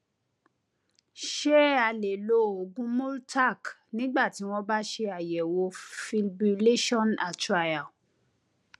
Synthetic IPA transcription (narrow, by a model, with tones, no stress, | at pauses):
ʃɛ˦a˧˨le˨lo˦o˨ɡũ˦mu˦lta˦˨k | nĩ˦ɡ͡ba˦˨ti˨˦w̃ɔ̃˦ba˦ʃe˧a˨jɛ˨wo˧fi˧lbu˧le˦ʃɔ̃˦˨na˨ta˨ja˨